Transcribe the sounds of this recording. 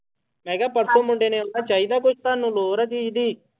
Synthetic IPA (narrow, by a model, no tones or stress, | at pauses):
meːɡaːpɐɾsoːmuɳɖeneːunːat͡ʃɐjd̪aːkost̪aːnːuloːɾɐd͡ʒ̪iid̪i